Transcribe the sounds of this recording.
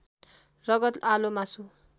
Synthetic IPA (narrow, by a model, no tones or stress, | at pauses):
rʌɡʌt̪alomasu